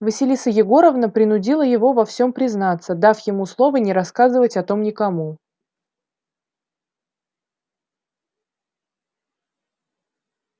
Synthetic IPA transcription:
vəsʲɪlʲisəjɪɡo̞ɾəvnəpɾʲɪnʊdʲilˠəjɪvo̞vɐfsʲo̞mpɾʲɪznat̪səd̪afjɪmuslˠo̞vənʲɪɾɐskazɨvətʲɐt̪o̞mnʲɪkɐmu

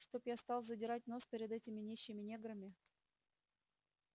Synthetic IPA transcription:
ʂt̪objast̪ɑlˠzədʲɪɾat̚ʲno̞spʲɪɾʲɪd̪ɛtʲɪmʲɪnʲeɕːɪmʲɪnʲeɡɾəmʲɪ

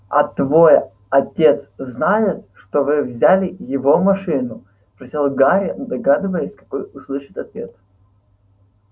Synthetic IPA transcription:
ɐ̰t̪vo̞j | ɐtʲe̞t̪sznajɪt̪ʂt̪ovɨvzʲalʲɪjɪvo̞mɐʂɨnʊ | spɾɐsʲilˠɡaɾʲɪd̪ɐɡad̪ɨvəjɪsʲkɐ̥ko̞jʊslˠɨʂɨt̪ɐt̪vʲe̞t̪

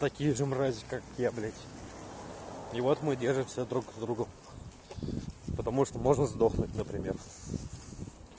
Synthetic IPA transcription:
t̪ɐkʲijəʐɨmrazʲɪkakjablʲetʲ | ivot̪mɨdʲerʐɨmsʲad̪ɾukzd̪ɾuɡəm | pət̪ɐmuʂt̪omo̞ʐnəzd̪oxnutʲnəpɾʲɪmʲḛr

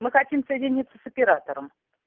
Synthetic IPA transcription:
mɨxɐtʲimsəjɪdʲɪnʲit̪sːəsəpʲɪɾat̪əɾəm

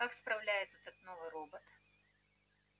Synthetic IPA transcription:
kakspɾawlʲajɛt̪sɐt̪ɔt̪nɔvɨɾɔbɐt̪

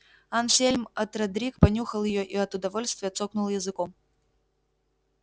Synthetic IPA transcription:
ansʲelʲmɐt̪rɐd̪ɾʲikpɐnʲuxəlˠjɪjoʔiɐt̪ʊd̪ɐvolʲst̪vʲɪjət̪soknʊlˠjɪzɨkom

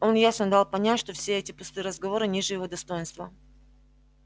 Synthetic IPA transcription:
o̞njasnəd̪alˠpɐnʲætʲʂt̪ofsʲeɛtʲɪpʊst̪ɨɾəzɡɐvo̞ɾɨnʲiʐɨjɪvo̞d̪ɐst̪o̞jɪnst̪və

